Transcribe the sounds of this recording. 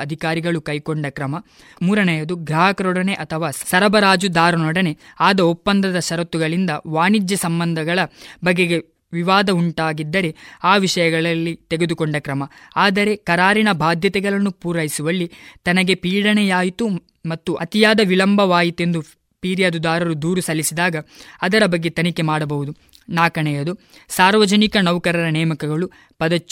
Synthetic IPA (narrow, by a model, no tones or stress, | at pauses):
ɐd̪ʱikaːɾiɡɐɭukɐjkoɳɖɐkɾɐmɐ | muːɾɐnɛjɐd̪uɡɾɐɦakɐɾɔɽɐne̞ʔɐt̪ʰɐʋaːsɐɾɐbɐɾaːd͡ʒud̪aːɾɐnɔɽɐne̞aːd̪ɐopːɐnd̪ɐd̪ɐʃɐɾɐt̪uɡɐɭind̪ɐʋaːnid͡ʒjɐsɐmbɐnd̪ʱɐɡɐɭɐbɐɡːeɡe̞ | ʋiʋaːd̪ɐuɳʈaːɡid̪ːɐɾe̞aːʋiʂɐjɐɡɐɭɐlːit̪eɡe̞d̪ukoɳɖɐkɾɐmɐaːd̪ɐɾe̞kɐɾaːɾinɐbʱaːd̪ʱjɐt̪ɛɡɐɭɐnːupuːɾɐjisuʋɐlːit̪ɐnɐɡe̞piːɽɐɳɛjaːjit̪u | mɐt̪ːuʔɐt̪ijaːd̪ɐʋilɐmbʱɐʋaːjit̪e̞nd̪u | piːɾjaːd̪ud̪aːɾɐɾud̪uːɾusɐlːisid̪aːɡɐːd̪ɐɾɐbɐɡːe̞t̪ɐnike̞maːɽɐbɐʋud̪u | naːkɐɳɛjɐd̪u | saːɾʋɐd͡ʒɐnikɐnɐwkɐɾɐɾɐnɛːmɐkɐɡɐɭu | pɐd̪ɐt͡ʃː